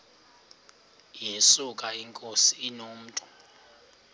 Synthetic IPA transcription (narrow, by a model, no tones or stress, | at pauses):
jesukʼaiŋkʼosiːnom̩ːtʼɔ̥